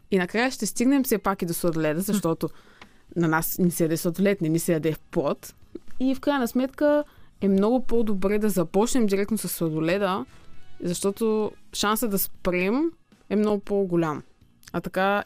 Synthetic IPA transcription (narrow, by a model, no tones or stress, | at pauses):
inɐkɾajəʃt̪ɛst̪iɡnɛmfsɛpakid̪osvɐd̪olɛd̪əzɐʃt̪ɔt̪o | nɐnasnɛsɛjɐd̪ɛsvɐd̪ʊlɛt̪nɛmisɛjɐd̪ɛfpɔt̪ifkɾajənɐsmɛt̪kəɛmnɔɡʊpod̪obɾɛd̪ɐzɐpɔt͡ʃnɛmd̪ʲiɾɛk̚t̪nosɐsːɐd̪olɛd̪ə | zɐʃt̪ɔt̪oʃansəd̪ɐspɾɛm | ɛmnɔɡʊpoɡolʲam | ɐt̪ɐka